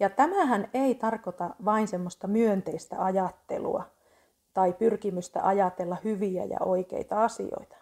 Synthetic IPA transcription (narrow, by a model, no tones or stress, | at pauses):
jɑt̪æmæhæneit̪ɑrkot̪ɑʋɑinsemːost̪ɑmyønt̪eist̪æ̰ɑjɑt̪ːḛlṵɑ̰ | t̪ɑipyrkimyst̪æ̰ʔɑjɑt̪elːɑhyʋiæ̰jɑ̰oikḛit̪ɑɑsḭo̰it̪ɑ̥